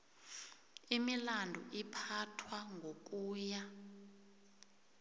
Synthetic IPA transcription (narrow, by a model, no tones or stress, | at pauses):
imilandʱṵʔipʰatʰwaŋʱok̬uːja